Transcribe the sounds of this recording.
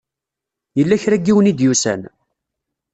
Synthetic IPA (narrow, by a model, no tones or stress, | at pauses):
jəlːæçɾæɡːiwnid̪jusæ̰n